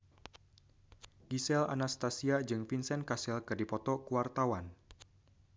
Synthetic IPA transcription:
ɡ̥isɛla̰nast̪asiad͡ʒɨŋfinsɛnkasɛlkɨrdipɔt̪ɔkuwart̪awan

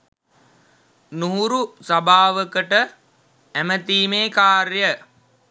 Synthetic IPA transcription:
nuɦuɾusabʱaːʋəkəʈə | æmət̪iːmeːkaːɾjə

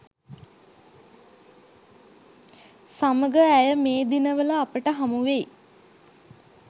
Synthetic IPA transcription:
saməɡəæjəmeːd̪inəʋələːpəʈəɦamuʋej

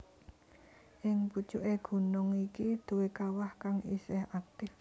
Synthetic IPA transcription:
ʔɪŋput͡ʃuʔeɡ̥ṳnʊŋikid̪̥o̤wekawahkaŋḭsɛhak̚t̪ɪf

